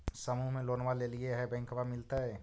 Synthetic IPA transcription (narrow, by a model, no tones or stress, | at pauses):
sɐmuɦmẽloːnʋaleːlieɦɛbɛ̃ːŋkəʋamɪlt̪aɦɛː